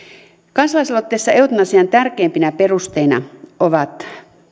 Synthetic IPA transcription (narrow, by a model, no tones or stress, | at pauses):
kɑnsɑlɑislot̪ːeːsːɑeut̪unɑsiɑnt̪ærkeːmpinæperust̪einɑ̰oʋɑt̪